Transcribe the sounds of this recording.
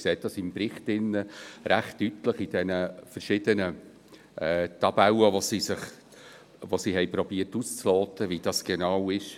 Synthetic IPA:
kseːt̚d̥ɑsimpɾɪχtɪnːəɾæχtːytləχid̥ɛnəfəɾʃɪd̥̪ənə | ɛːt̪ɑbæwəʋosisɪχ | ʋosiːɦɛjpɾɔb̥iərtust͡slɔːt̪ʰəvid̥ɑsɡ̥enɑwɪʃ

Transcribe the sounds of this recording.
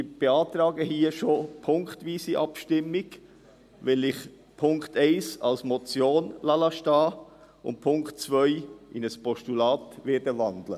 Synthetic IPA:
ɪb̥eɑːt̪ɾɑːɡəhiːəʃopʰʊŋktviːsiʔɑpʃtɪmɪɡ | vɛlɪç | pʰʊŋktʰɛɪsɑ̰lsmɔt͡sjoːnlɑlɑʃtɑː | ʊ̰nt̚pʰʊŋktt͡svœʏʔɪnəspʰɔʃtulɑːtvɛːdəvɑndlə̰

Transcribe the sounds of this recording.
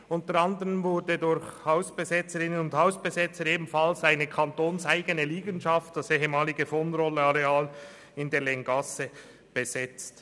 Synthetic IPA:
ʔʊntəɾɑndəʁənvʊɾdədʊɾçhaʊsb̥əzɛt͡səɾɪnənʊndhaʊsb̥əzɛt͡səɾeːbm̩fɑlsaɪnəkʰɑntoːnsaɪɡənəliːɡənʃɑftd̥aseːɦəmɑːlɪɡəfoːnrɔlːəɑʁeaːl | ɪndeːlɛŋɡɑsə | b̥əzɛt͡st

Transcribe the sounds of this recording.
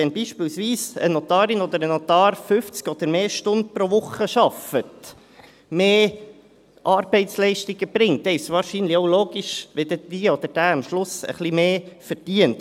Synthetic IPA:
ɛnbiːʃpiːlsʋiːsə̰not̪ɑːɾɪnɔd̪əɾənɔt̪ɑːɾfʏft͡skɔd̪̥əɾmeːʃtʊnt̪̚pɾoʋʊχəʃɑfət | meː | ʔɑɾb̥ɛɪtslɛɪʃtɪɡ̥əb̥ɾɪŋt̪ɛɪsʋɑːɾʃinlɪoʊloːɡiʃʋɪd̪ədiːɔd̪əɾd̥æːɑmʃlʊsə̰χlimeːfəɾd̥iənt

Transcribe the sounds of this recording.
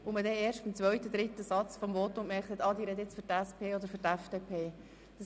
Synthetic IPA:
ʊmədɛeːɾʃtfmt͡sʋœɥt̪əd̪ɾɪt̪ːəsɑt͡sfɔmvɔːt̪ːʊŋkmɛχt̪hɛt̪ɑd̪iːɾɛd̪əɪt͡sfʏɾtæspʰeːɔd̪əɾfʏtæfd̥eːpʰeː | d̥̪ɑs

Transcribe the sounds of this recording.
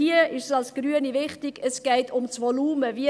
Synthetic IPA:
iːəɪʃsɑlsɡ̥ryənivɪχtɪɡ̥əsɡ̥ɛɪtʰʊmsvɔluːməvi

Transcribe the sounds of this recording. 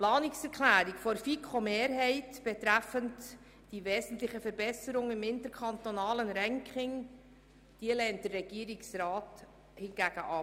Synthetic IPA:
plɑːnɪksɛɾkʰlæːɾɪkfɔɾfikʰomeːɾɦɛɪtb̥ɛtɾæfənt | d̥iveːzn̩tlɪçəfɛɾbɛsəɾʊŋɪmɪntəɾkʰɑntonɑːlənɾɛŋkʰχɪŋ | d̥iːəlɛːnt̚d̥ərːɛɡ̥iːɾɪksɾɑːt | hɪnɡæːɡ̥əʔɑ

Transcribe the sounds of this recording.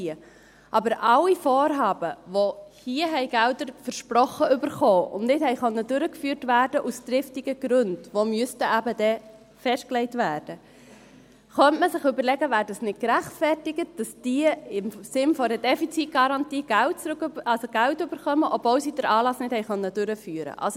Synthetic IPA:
iə | ʔɑbəɾʔɑwifɔːɾɦɑːbəʋohiəɦɛɪɡ̥ældəɾfəɾʃpɾɔχəʏbəɾχoːʊ̰nnɪthɛɪχœnːədʉɾəkfyːɾtvæːɾd̥əʔust̪ɾɪftɪɡəɡ̥ɾʉnd̥ʋomyəstəæbəd̥ɛ | fɛʃt̚klɛɪtvæːrd̥ə | χœntməsɪχʏbəɾlɛɡəvæːɾdɑsnɪt̚kɾæχtfɛrtɪɡət̚d̥ɑsd̥iəɪmsɪnfɔɾəd̥ɛfit͡sit̚ɡ̥ɑɾɑntiːɡ̥ælt̚t͡sɾkːɑlsoɡ̥æwtʏb̥əɾχœməʔɔbvɔwsid̥əɾʔɑːlɑsnɪthɛɪχœnːəd̥ʉɾəfyːɾə̰ʔɑ̰lso

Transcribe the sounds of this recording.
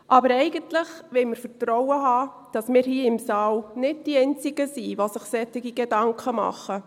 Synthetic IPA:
ʔɑbəɾɛɪɡ̥əntlɪχʋɪlməɾfətɾɔwəɦɑː | d̥ɑsmɪːɾhiːɪmsɑːlnɪd̚d̥iɛɪnt͡sɪɡ̥əsiʋosɪχsɛtɪɡiɡ̥edɑŋkʰəmɑ̰χə

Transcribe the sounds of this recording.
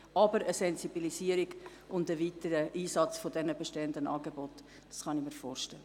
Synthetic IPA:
ɑbəɾəsɛnzibilisiəɾiɡ | ʊndəviːtəɾəʔiːsɑt͡sfodɛnəbɛʃteːəndənʔɑ̰ːɡebɔt | d̥ɑsχɑnɪmiːɾfoːrʃtɛ̰lə

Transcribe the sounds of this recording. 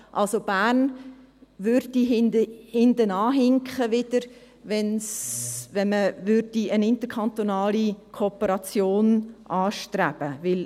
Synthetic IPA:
ʔɑlsob̥æːrn | ʋʏɾdiɦɪndəhɪndənɑːɦɪŋkχəʋɪd̥əɾ | ʋɛnsʋɛnməʋʏɾd̥iənɪntəɾkʰɑnt̪onɑːlikʰopəɾɑt͡sjoːnʔɑːʃtɾæb̥əʋɪl

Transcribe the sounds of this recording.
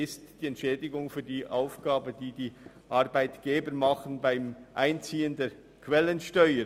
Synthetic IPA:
ɪstd̥iːɛntʃɛːdɪɡʊŋfyːdiːʔaʊfɡ̥aːbədiːdiː | ʔɑɾbaɪtɡ̥eːbəɾmɑχən̩baɪmʔaɪnt͡siːəndeː | kʰvɛlənʃtœʏə

